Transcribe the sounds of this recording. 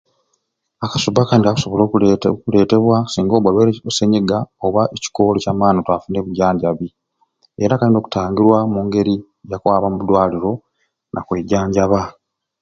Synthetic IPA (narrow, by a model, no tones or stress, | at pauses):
akasubakandiaku̥so̞βo̞lokule̞ːte̞βwasiːŋɡo̞ːβwalweoseɲeɡaoβaʔeci̥koːlocaːmaːnotwaːfuːneβuɟaːɲɟaβi | e̞ɾakaliːndo̞ːku̥taːŋɡiɾwamuːŋɡe̞ɾi | jakwaːβamuβudwaːliɾo̞ | nʔa̰kwe̞ːɟaːɲɟaβa